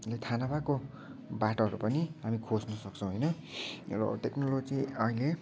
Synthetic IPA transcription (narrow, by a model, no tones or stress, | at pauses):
let̪ʰanabako | baʈoʌɾupʌniɦamikʰod͡znʌsʌk̚t͡sʰʌ̃w̃ɦojnʌ | rʌ̰ʈeknolod͡ziʌɦile